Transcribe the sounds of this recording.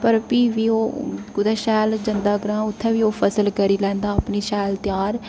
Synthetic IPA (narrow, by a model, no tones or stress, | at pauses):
pəɾpiːʋiːoːkʊd̪aːʃɛːld͡ʒənd̪aːɡɾãːʊt̪ʰːɛ̃ːʋiːoːpʰəsəlkəɾiːlɛ̃ːnd̪aːpniːʃɛːlt̪ɪjaːɾ